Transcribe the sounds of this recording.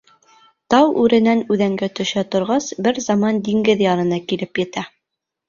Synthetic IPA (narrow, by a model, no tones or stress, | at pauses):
t̪ɑwʔʉɾɘ̆nænʉðæŋɡæt̪ɵ̆ʃæt̪ŏɾʁɑsbɘɾzɑmɑnd̪iŋɡɘðjɑnɤ̆nɑkilɘpjɘ̆t̪æ